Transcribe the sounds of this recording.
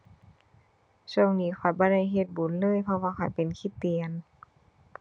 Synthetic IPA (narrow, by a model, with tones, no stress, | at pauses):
su˧˩˨ŋniː˧˥kʰɔ˨˩jbɔː˧˦ɾa˧˥˨jɦe˧t̪̚bu˨˩˦nlɤː˧˥˨jpʰɔ˧waː˧kʰa˨˩jpe˨nkʰi˧t̪ːi˨˩˨ən